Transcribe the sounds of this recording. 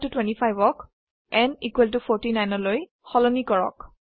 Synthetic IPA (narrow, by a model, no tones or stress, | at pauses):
tutwɛ̃ntipʰajbɔk | ɛnikwɛlt̬upʰɔɹtinajnɔloj | xɔlɔnikɔɹɔ̰k